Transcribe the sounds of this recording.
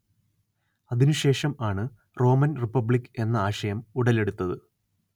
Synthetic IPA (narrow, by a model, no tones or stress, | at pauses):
ɐðinuɕe̞ːʂɐmaːɳɨ | ro̞ːmɐnripːɐbɭikːɨe̞nːɐaːɕɐjɐmuɽɐle̞ɽut̪ːɐðɨ